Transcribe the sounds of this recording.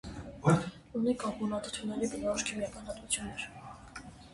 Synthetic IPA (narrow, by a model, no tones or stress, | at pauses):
unikɑmunɑt̪ʰɔt̪ʰunːɛɾibənɔɾɔʃkʰimjɑkɑnɑt̪vut͡sʰjunːɛɾ